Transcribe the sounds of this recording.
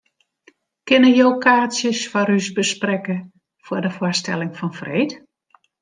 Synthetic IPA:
kɪnəjowkʰaːsjəsfɔɾysbəsprɛkə | fʊrdəfwʊstɛ̰lɪŋfɔnfreːt

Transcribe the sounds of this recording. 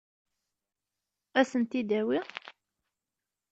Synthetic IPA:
æsənt̪id̪æwiʁ

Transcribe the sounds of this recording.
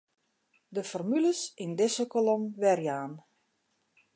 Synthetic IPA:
dəfɔrmyləsindɪsəkolomʋɛrjaːn

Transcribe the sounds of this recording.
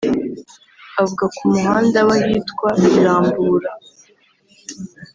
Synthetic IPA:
avuɡakumuɦaːndawajiːtkwaβiiɾaːmbuːɾa

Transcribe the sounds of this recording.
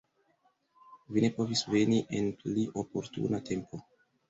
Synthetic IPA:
vine̞po̞visve̞niʔe̞npliʔo̞po̞ɾtṵnate̞mpo̞

